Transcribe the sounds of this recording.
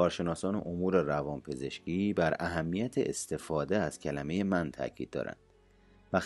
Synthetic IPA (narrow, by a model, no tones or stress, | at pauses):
ɒːɾʃe̞nɒːsɒːne̞̰ʔomuːɾe̞rævɒːnpʰe̞ze̞ʃciːbæɾæɦæmːijæt̪ʰeʔest̪e̞fɒːd̪eæz̥cʰælæme̞je̞mænt̪ʰæ̰cʰḭd̪̥̚ːɒ̰ːɾæ̰nd̪̥ | væx